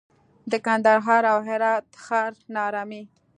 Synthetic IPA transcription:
d̪əkand̪aɾɦɑɾawɦɪɾɑt̪xɑɾnɑɾɑmi

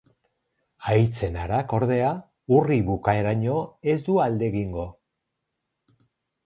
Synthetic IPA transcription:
ajt͡se̞naɾako̞ɾðe̞a | uriβukae̞ɾaɲo̞e̞zd̪uald̪e̞ɣiŋɡo̞

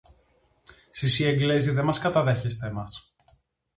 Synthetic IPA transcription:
sisieŋɡleziðemɐskɐt̪ɐðe̞çest̪emɐs

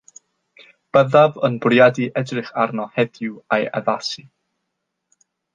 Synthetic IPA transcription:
b̥əðavənbrjadiʔɛdrɪχarnɔhɛdɪwajɛ̰ðasi

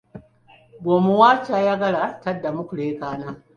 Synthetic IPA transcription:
boːmuwaːt͡ʃaːjaːɡɐɽatɐdːamʊkʷʊɽeːkaːnaː

